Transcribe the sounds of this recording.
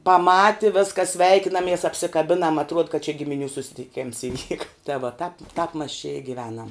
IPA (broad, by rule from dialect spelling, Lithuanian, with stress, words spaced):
pɐˈmɑːtʲɪ ˈʋʲeːskɐs ˈsʲʋʲɛɪkʲɪnɐmʲiɛs ɐpʲsʲɪkɐˈbʲɪnɐm ɐtˈruɔt kɐt t͡ʃʲɛ ɡʲɪmʲɪˈnʲuː sʊsʲɪtʲɪˈkʲeːms ɪˈʋʲiːkɐ tɐ ʋoː ˈtɐp ˈtɐp mɐs t͡ʃʲɛ ɪ ɡʲɪˈʋʲæːnɐm